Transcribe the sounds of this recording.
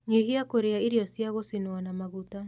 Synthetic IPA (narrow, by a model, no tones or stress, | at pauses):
ɲeɦiakoɾeaiɾiɔsjaɣosinoanamaɣuta